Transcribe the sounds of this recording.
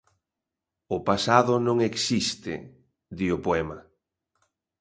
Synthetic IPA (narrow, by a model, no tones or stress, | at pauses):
ʊpasaðʊnõŋeksist̪ɪ̰ | d̪iʊpoɛma